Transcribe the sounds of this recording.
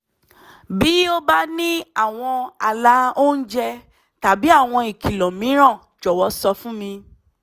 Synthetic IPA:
bi˨˦o˦ba˦nĩ˦a˦˨w̃ɔ̃˧a˨la˨˦o˦n̩˦d͡ʒɛ˧ | ta˨bi˨˦a˦˨w̃ɔ̃˧i˨ki˨lɔ̃˨mĩ˨˦ɾ̃ã˦˨ | d͡ʒɔ˨wɔ˨˦sɔ˧fũ˦mĩ˧

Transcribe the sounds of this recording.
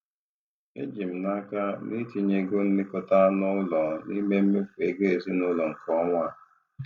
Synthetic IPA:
ḛ˦d͡ʒi˨m̩˨na˦ka˦ni˦ti˨ɲe˨ɡo˦n̩˦lɪ˦kʊ˨ta˦nʊ˦lɔ˨ni˦me˦m̩˦me˦fu˨e˨ɡe˦e˨zi˦nʊ˦lɔ˨ŋ̩˨kɔ˦ŋʷa˦˨

